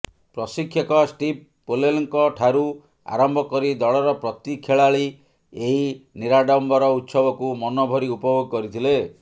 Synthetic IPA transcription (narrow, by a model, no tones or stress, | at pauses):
pɾɔsikʰːjɔkɔsʈip | poleliŋkɔʈʰaɾu | a̰ɾɔmbʱɔkɔɾid̪ɔɭɔɾɔpɾɔt̪ikʰeɭaɭi | eɦiniɾaɖɔmbɔɾɔut̪sɔbɔkumɔnɔbʱɔɾiupɔboɡɔkɔɾit̪ʰile